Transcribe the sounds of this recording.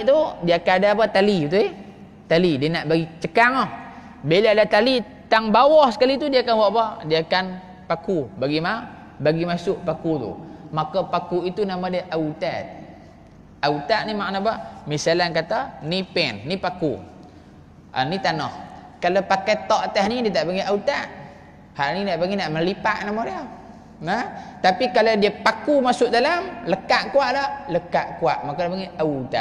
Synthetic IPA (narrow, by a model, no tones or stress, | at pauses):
ʔt̪udiaakanadaːpat̪alit̪ue | t̪alidianaʔbaɡit͡ʃəkaŋɔh | belaadat̪ali | t̪aŋbawɔhsə̥kalit̪udiaakanwaʔbadiakan | pakubaɡima | baɡimasʊʔpakut̪ṵmakapakuit̪unamadeʔaut̪at̪̚ | aut̪at̪̚nimaʔnabamisalankat̪anipɛnːipakṵ | ʔa̰nit̪anɔh | kalapakajt̪ɔʔt̪əhnidiət̪aʔpaŋiʔaut̪aʔ | halninaʔpaŋɡinaʔməlipa̰ʔnamadiə | nət̪apikaladiəpakumasʊʔdalamləkaʔkuaʔlaləkaʔkuaʔmakadipaŋiʔaut̪a̰ʔ̚